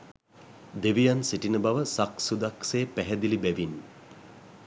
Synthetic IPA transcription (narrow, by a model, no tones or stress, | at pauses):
d̪eʋijansiʈinəbaʋəsaksud̪aksejpæɦɛd̪ilibɛʋin